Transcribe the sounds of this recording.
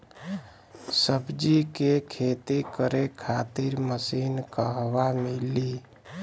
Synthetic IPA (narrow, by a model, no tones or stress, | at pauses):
səbd͡ʒikekʰet̪ikəɾekʰat̪iɾməsinkəɦʋamili